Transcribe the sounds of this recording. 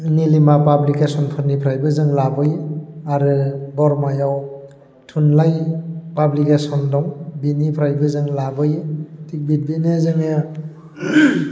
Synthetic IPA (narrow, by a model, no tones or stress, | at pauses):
nilimapablikesɔnpʰɯɾnipʰɾajbɯzɯŋlabɯjaɾɯbɔɾmajaw | tʰunlajpablikesɔndɔŋbinipʰɾajbɯzɯŋlabɯjtik̚bit̚binezɯŋe